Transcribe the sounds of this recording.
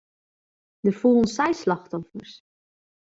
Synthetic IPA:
dəfulˠənsɛjslɑxtɔfərs

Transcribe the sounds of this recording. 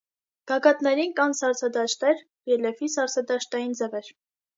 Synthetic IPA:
ɡ̥ɑɡɑt̪nɛɾinkɑnsɑɾt͡sʰɑd̪ɑʃt̪ɛɾ | jɛlɛfisɑɾt͡sʰɑd̪ɑʃt̪ɑjind͡zɛvɛɾ

